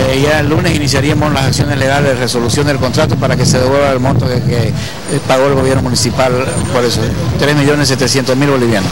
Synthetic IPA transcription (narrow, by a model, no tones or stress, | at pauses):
ejaelːune̞sinisjaɾiamoslasaksjo̞nezleɣaleðereso̞lusjo̞nd̪elko̞nt̪ɾat̪opaɾake̞se̞ðeβwelβaelmõnt̪okeke | paɣo̞elɣo̞βjeɾno̞munisipal | poɾesot̪ɾe̞zmiʎo̞nese̞t̪esjent̪ozmilβo̞liβjanos